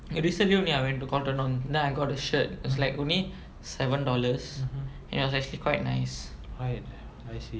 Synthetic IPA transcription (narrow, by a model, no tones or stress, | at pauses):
ɹisə̃nliõnliaɪwɛ̃ntːukɔltənɔ̃ndɛ̃naɪɡɔt̚əʃət̚ɪwɔslaɪkõnli | sɛvə̃ndɔləs | ɛ̃nitwɔsɛk̚t͡ʃuəlikwaɪt̚naɪsɹaɪt̚ | ajsi